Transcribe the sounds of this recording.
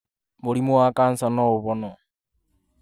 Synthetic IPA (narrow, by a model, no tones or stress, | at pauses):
molimuakaːnsanouβono